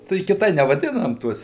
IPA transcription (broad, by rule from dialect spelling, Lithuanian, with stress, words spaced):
tɐɪ kʲɪˈtɐɪ nʲɛʋɐˈdʲɪnɐm ˈtuɔs